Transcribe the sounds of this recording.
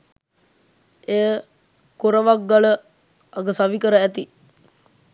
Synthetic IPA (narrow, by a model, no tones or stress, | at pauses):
eːə | kuɾəʋak̚ɡalə | aɡəsaʋikəɾəæt̪i